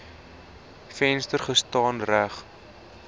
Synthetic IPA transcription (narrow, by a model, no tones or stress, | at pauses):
fɛnstərχəstɑːnræχ